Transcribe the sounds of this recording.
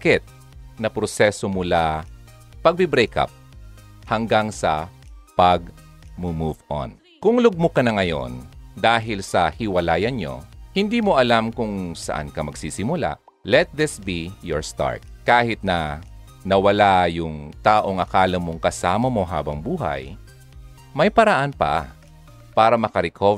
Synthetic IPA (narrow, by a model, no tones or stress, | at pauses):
kɛt̪̚ | nɐpɾosɛsomʊla | pɐɡ̚bɪbɾɛjka̰p̚hɐŋɡaŋsɐpɐɡ̚ | mumuvʔo̰n | kʊŋlʊɡ̚mʊkɐnɐŋɐjo̰nd̪aːɦɪlsɐhɪwɐlaːjɐnɲo̰hɪnd̪iːmoʔɐlamkʊŋsɐ̰ʔa̰nkɐmɐɡsiːsɪmʊla̰ʔ | lɛt̪̚ðɪsbijɔ̰ɹst̪a̰ɹt̪̚kaːhɪt̪̚nɐ | nɐwɐlajʊŋt̪aːʔo̞ŋʔɐkaːlɐmoŋkɐsaːmɐmo̞ɦa̰ːbɐŋbuːɦɐ̰j | mɐjpɐɾɐʔanpɐ̰ | paːɾɐmɐkɐɾɛkʰo